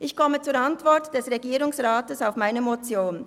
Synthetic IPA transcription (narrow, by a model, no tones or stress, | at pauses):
ʔɪçkɔmət͡suːɾantv̥ɔʁtd̥ɛsʁeɡiːʁʊŋsʁaːtəsaʊfmaɪnəmot͡sjoːn